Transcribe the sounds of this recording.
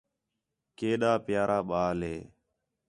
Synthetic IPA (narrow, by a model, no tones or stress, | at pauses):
keːɗaːpɪjaːɾʔaːɓaːlɦeː